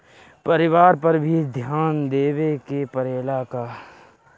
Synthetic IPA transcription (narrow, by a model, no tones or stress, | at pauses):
pəɾɪʋaːɾpɐɾbʱid̪ʱjaːnd̪eːʋekepəɾeːlakaː